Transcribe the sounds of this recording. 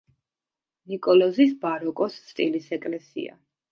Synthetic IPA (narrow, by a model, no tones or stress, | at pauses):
nikʼɔlɔzisbaɾɔkʼɔst̪st̪ʼilisɛkʼlɛsḭa̰